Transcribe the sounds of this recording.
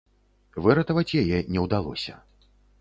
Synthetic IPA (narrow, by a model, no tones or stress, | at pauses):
vɨɾɐt̪ɐvɐt͡sʲjajɛnʲɛwd̪alˠɔ̰sʲɐ̰